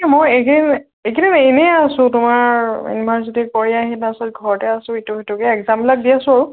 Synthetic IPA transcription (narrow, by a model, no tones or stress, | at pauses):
ɛmojekn | ekiinenɛasʊ̃tʊmaɹḭnbʱaɹsɔtikɔɹiaɦinasɔlt̚ɡʱɔɹɔtɛasʊ̃ituɦetukɛɛɡzamplak̚diasʊ̃aɹu